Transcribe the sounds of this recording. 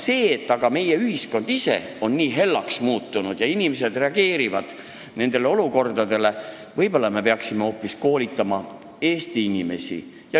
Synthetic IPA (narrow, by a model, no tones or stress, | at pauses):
se̞ːt̪ːˑɑɡ̥ɑme̞jeyhisko̞nd̪̥ise̞̰o̞nːiːɦe̞lːɑksmuːt̪ːˑunud̪̥jɑinʲime̞s̬e̞d̪re̞ɑɡ̥e̞ːɾivɑd̪̥ | ne̞nd̪̥e̞le̞o̞luko̞rd̪̥ɑd̪e̞le̞ | vɤjbo̞lːɑme̞pe̞ɑksimeo̞ːpːˑisko̞ːlit̪ːˑɑmɑ | e̞ːst̪iinʲime̞̰sḭ | jɑ